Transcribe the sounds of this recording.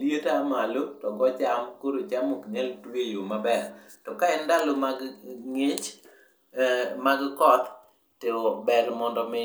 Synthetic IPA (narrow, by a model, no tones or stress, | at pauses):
ljetamalotɔɡɔt͡ʃamkoɾot͡ʃamokɲɛltwejomabɛr | tɔkaɛndalomaɡŋet͡ʃ | maɡkɔt̪ | tɪobɛlmɔndɔmɪ